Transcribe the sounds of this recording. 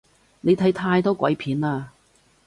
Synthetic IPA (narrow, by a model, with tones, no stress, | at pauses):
ne˨˧jt̪ʰɐ˨˥jt̪ʰaː˧jt̪ɔː˥kʷɐ̰˨˧˥jpʰiː˨˥naː˧